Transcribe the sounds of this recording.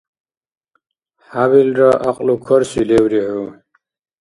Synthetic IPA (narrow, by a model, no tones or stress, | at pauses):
haβilɾaʔaqʼlukʰoɾsilewɾihu